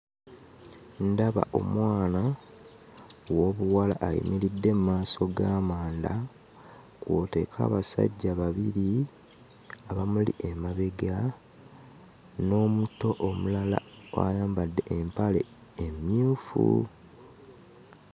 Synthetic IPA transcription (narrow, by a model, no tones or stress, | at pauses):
ndaβa̰ʔo̞̰mwaːna | wo̞βuwalaʔːjḭmiɾidːe̞mumaːso̞ɡaːmaːnda | kwo̞te̞ːkʰa̰ːβasa̰ɟːaβaβiɾi | aβamulḭʔemaβeɡa | no̞ːmuto̞ʔomulala̰ | oa̰jaːmbadːe̞ʔempale̞ | emjuːfṵ